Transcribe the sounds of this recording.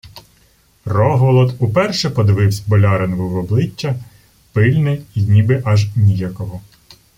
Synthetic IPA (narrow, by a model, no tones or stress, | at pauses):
rɔɦʋɔlˠɔt̪upɛrʃɛpɔd̪ɪʋɪwsʲbɔlʲɑɾenʋʊʋɔblˠɪt͡ʃʲːɐ | pɪlʲnɪinʲibɪʔɐʒnʲijakɔɦɔ